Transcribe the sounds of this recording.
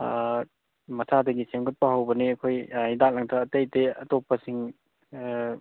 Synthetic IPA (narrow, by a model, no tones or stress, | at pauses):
mɐsadɐɡisemɡot̚pɐɦɐwbɐniɐkʰojidak̚lɐŋtʰɐːtejteɐtopːɐsiŋ